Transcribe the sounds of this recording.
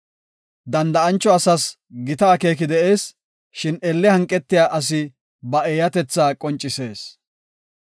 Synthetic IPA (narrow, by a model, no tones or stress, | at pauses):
d̪ɐnd̪ɐɐnt͡ʃːɔɐsɐs | ɡɪt̪aːke̞ːk̬ɪd̪ɛe̞ːs | ʃɪnɛlːɪhɐŋkʼːɛt̪ːɪjaːʔɐs̬ɪ | bɐeːjɐt̪ɛt͡sːaːkʼɔnt͡ʃʼːɪse̞ːs